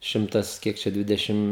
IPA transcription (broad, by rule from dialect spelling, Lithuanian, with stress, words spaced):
ˈʃʲɪmtɐs ˈkʲiɛk t͡ʃʲɛ ˈdʲʋʲɪdʲɛʃʲɪm